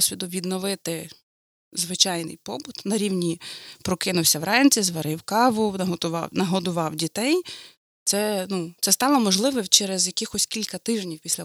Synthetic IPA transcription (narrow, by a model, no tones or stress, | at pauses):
sʲʋʲid̪ʊʋʲid̪nɔʋɪt̪ɪ | zʋɪt͡ʃɑjnɪ̰jpɔbʊt̪nɐɾʲiwnʲipɾɔkɪnʊwsʲɐwɾɛnʲt͡sʲizʋɐɾɪwkɑʋʊɦ̪ʊɑ̰nɐɦɔd̪ʊʋɑwdʲit̪ɛj | t̪sɛnut̪sɛst̪ɑlˠɐmɔʒlˠɪʋɛwt͡ʃɛɾezjɐkɪxɔsʲkʲilʲkɐt̪ɪʒnʲiwpʲisʲlʲɐ